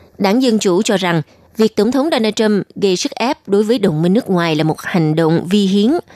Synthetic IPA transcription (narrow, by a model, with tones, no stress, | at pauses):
ɗaː˧˩ŋzə˧nt͡ɕu˧˩t͡ɕɔ˧za˨˩ŋ | vi˨˩ək̚t̪ə˧˩ŋ͡mt̪ʰə˨˦wŋ͡mɗo˧naː˧t͡ɕə˧mɣə˧jsɨ˦˥k̚ʔɛ˦˥p̚ɗo˨˦jvəː˨˦jɗə˨˩wŋ͡mmï˧ŋ̟nɨ˦˥ək̚ŋwaː˨˩jlaː˨˩mo˨˩t̚ha˨˩jŋ̟ɗo̰˧˨wŋ͡mvi˧ɦi˨˦ən